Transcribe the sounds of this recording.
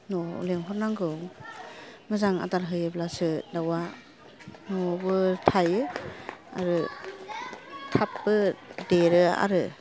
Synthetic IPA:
noleŋɦʰɔɾnaŋɡɯŋ | mɯzaŋa̰daɾɦɯjɯblasɯdawa | nɔbɯtʰajɯ | a̰ɾɯ | tʰapbɯdeɾɯa̰ɾɯ

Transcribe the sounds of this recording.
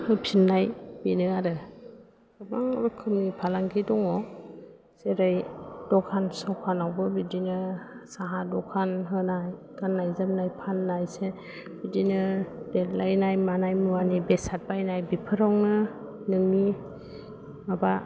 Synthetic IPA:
hɯpʰinːajbinɯaɾɯ | kɯbaŋɾɔkʰɯmnipʰalaŋɡidɔŋɔ | seɾajdɔkʰansɔkʰanawbɯbidinɯsaɦadɔkʰanɦɯnajkanːajzam̚najpʰanːajse | bidinɯd̥et̚lajnajmanajmuwanibesat̚bajnajbipʰɯɾawnɯ | nɯŋni | maba

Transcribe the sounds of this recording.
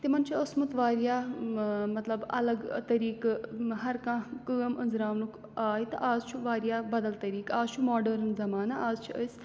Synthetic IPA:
t̪imɐnt͡ʃʰiɐsmut̪ʋaːɾjaː | mɐt̪lɐbɐ̰lɐɡt̪ɐɾiːkɦɐɾkãːkəːmɐnzɾaːʋnuk | aːjit̪ɨʔaːzt͡ʃʰuʋaːɾijaːbɐd̪ɐlt̪ɐɾiːkaːzt͡ʃʰumaːɖɐɾnzɐmaːnaʔaːzt͡ʃʰiʔəjs

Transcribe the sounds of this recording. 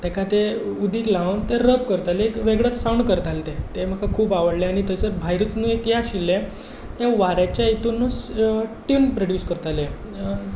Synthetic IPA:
t̪ɛkʰat̪eud̪iːklaənt̪eɾəb̚kəɾt̪aleekʋeɡɭət̪sawɳkəɾt̪alet̪et̪em̤əkakʰuːpaʋəɽleaɽ̃it̪əsebʱajɾut͡snuekjaɕilːẽ | t̪eʋaɾjat͡ɕjait̪unːusʈunpɾoɽjuːskəɾt̪ale

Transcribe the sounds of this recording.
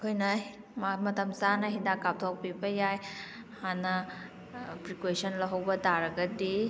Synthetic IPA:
kʰojnɐ | mmɐtɐmsanɐɦidakap̚tʰok̚pibɐjaj | hanɐ | pɾikwesɐnlɐɦɐwbɐtaɾɐɡɐdi

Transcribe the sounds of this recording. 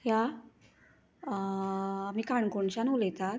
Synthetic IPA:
ja | miːkaɳkuɳɕanuljt̪at̪̚

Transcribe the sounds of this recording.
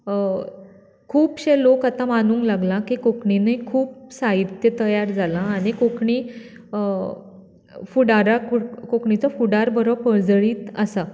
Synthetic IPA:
kʰuːpɕelokat̪amanuːŋklaɡlãkikokɳinekʰuːp̚saɦit̪jət̪əjaɾd͡zalãːɽ̃ikokɳi | fuɽaɾakukokɳit͡safuɽaɾbəɾəpəɭd͡zɭiːt̪əsa

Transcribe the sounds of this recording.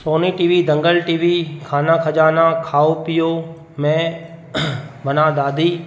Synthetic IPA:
soːniːʈiːʋid̪ʱə̃ŋɡəlʈiːʋikʰaːnãkʰəd͡ʒaːnãːkʰaːopɪjoː | mẽ | bʱɐnãːd̪aːd̪ʱiː

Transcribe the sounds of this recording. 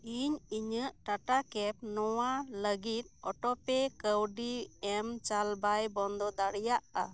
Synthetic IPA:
iɲiɲəʔʈaʈakɛp̚nɔwaləɡit̪̚ˀɔʈɔpɛkəwɖiɛmt͡ʃalbajbɔnd̪ɔd̪aɽijaʔa̰

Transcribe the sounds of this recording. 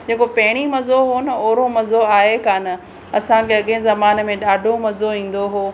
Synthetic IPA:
d͡ʑeːkopɐɦɪɽ̃imɐzoɦonɐoːɾomɐzoaːɦekaːnɪ̆ | ɐsãkʰeɐɠẽzɐmaːn̆mẽɗaːɖʱomɐzoĩːn̆d̪oɦoː

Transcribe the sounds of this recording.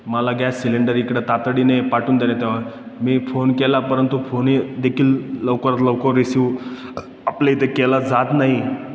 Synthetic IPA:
məlaɡjasːileɳɖəɾikɽat̪at̪ɽinepaʈuːnd̪elat̪jaʋ̤aɾ | miːfonkɛlapəɾənt̪ufonid̪ekʰiːlləʋkəɾat̪ləwkəɾːisi | apleit̪ekɛlad͡zat̪naɦi

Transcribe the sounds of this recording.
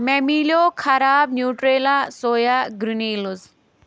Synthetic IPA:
memiljokʰɐɾaːb̚njuːʈɾeːlasojaɡɾuniluz

